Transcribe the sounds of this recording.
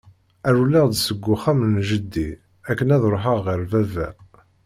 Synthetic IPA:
æɾulːæʁd̪səɡʷːʊχæmənʒəd̪ːi | ækːənæðɾˤoħəʁːəɾvævæ̰

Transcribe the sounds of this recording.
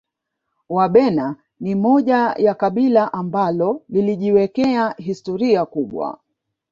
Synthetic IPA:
waɓɛna | nimɔʄajakaɓilaʔambalɔliliʄiwɛkɛaɦistɔɾiakuɓwa̰

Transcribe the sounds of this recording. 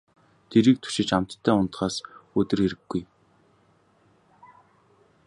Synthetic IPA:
t̪ʰeɾiːk̚t̪ʰu̥ʃɪ̆t͡ɕam̥t̪ʰːæːʊnt̪χaːsɵt̪ɵ̆rxeɾɘ̆ɡ̥ːuj

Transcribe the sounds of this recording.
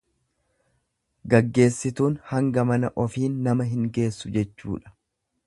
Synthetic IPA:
ɡɐɡːe̞ːsːɪt̪uːnhɐŋɡɐmɐnɐʔɔfiːnːɐmɐɦɪŋɡe̞ːsːʊd͡ʒɛt͡ʃːṵːᶑɐ̥

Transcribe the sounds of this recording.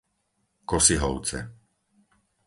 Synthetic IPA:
kɔsiɦɔʊt͡sɛ̰

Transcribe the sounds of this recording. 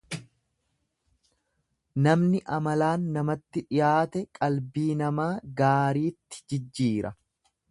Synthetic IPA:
nɐmnɪʔɐmɐlaːnːɐmɐt̪ːɪᶑɪjaːt̪ɛkʼɐlbiːnɐmaːɡaːɾiːt̪ːɪ̥d͡ʒɪd͡ʒːiːɾɐ

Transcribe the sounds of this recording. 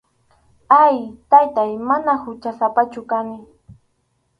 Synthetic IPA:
ajt̪ajt̪ajmanahʊt͡ʃasapat͡ʃʊkanɪ

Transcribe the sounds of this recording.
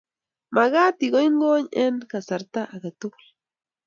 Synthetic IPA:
maɣat̪iɡojŋɡoɲenkasaɾt̪aʔaɣat̪ul

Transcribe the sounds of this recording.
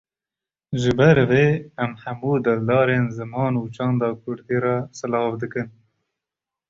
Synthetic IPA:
ʒɨbɐɾveːɐmhɐmuːd̪ɐld̪ɑːɾenzɨmɑːnuːt͡ʃɑːnd̪ɑːkʰʊɾd̪iɾɑːsɨlɑːvd̪ɨkɨn

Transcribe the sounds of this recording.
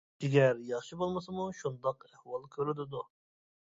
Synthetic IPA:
eɡʲɛɾjɑχʃibolˠməsɨmuʃund̪ɑqɛhwɑlˠkʲʰøɾɪd̪ɪd̪u

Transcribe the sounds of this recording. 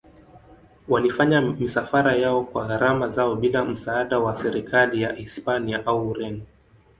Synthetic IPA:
walifaɲamisafaɾajaɔkwaɣaɾamazaɔɓilam̩saːɗawasɛɾikʰalijaʔispaniaʔawɾɛn

